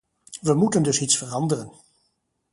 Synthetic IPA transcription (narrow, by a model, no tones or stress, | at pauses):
ʋəmutəndɵsitsfərɑndərən